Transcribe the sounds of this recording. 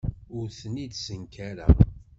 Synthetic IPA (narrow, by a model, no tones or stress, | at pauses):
ʊɾθənid̪səŋkʰæɾa̰